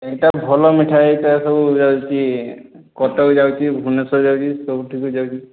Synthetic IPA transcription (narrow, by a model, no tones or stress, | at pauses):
ektabʱɔlɔmiʈʰaetasɔbzawt͡ʃi | kɔtad͡ʒawt͡ʃibʱunɔsɔd͡ʒawt͡ʃisɔbtʰikud͡ʒawt͡ʃi